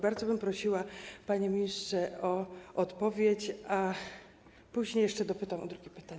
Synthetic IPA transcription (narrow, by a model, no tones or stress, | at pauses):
baɾd̪zɔbɘmpɾɔɕiwapaɲemʲiɲistʂɛɔɔt̪pɔvʲjet͡ɕa | puʑɲejɛʂt͡ʂɛd̪ɔpɘt̪awʔɔ̰d̪ɾuɡʲɛpɘ̥t̪aɲɛ